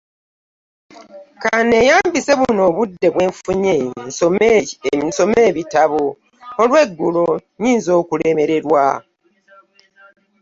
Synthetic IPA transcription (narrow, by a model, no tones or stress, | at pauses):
kane̞jaːmbise̞βuno̞ːβudːe̞βwe̞ːɱfuɲensom | so̞me̞ːβitaβo | olwe̞ɡːulo̞ɲiːnzo̞ːkule̞me̞ɾe̞ɾwa̰